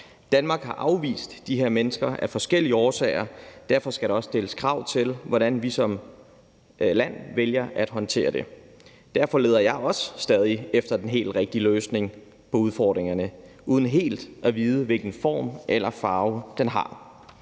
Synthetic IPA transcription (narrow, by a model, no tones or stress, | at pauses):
d̥ænmɑ̈ːɡ̥hɑ̈ʔɑ̈ʊʋḭːsd̥ːiɦeɐ̰menəsɡ̥ɐʔæfɒ̽sɡ̥el̰iəɒːsɛ̰ːɪɐd̥æɐfɒ̽sɡ̥æɾ̥eɒ̽sd̥e̝ləskʰʁɑ̈ʊ̰t͡sʰe̝lʋɒɾænʋisɒ̽m | læn̰ʋeljɐʔæd̥ɦɒ̽nt͡sʰe̝̰ːɐd̥e̝ | d̥æɐfɒ̽le̝ːð̞ˠɐjɑ̈ɪɒ̽sːd̥ɛːð̞ˠiefd̥ɐd̥enɦe̝̰ːl̥ʁeɡ̥̚d̥iløːsne̝ŋ | pʰɒ̽uðˠfɒːd̥ʁeŋɐnə | uːð̞ˠn̩ɦe̝̰ːld̥ʔæʋiːð̞ˠəʋe̝lɡ̥n̩fɒ̰ːmʔelɐfɑ̈ːʊd̥enɦɑ̈